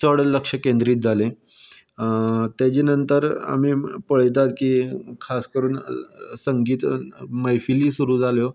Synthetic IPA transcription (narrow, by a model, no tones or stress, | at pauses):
səɽləkʂəkẽnd̪ɾiːt̪̚d͡zʱalẽ | t̪jat͡ɕenənt̪əɾa̰miːpəɭ̤t̪̬at̪kiːkʰaskəɾuːnsəŋɡiːt̪məjfiliːsuɾuːd͡zʱaljo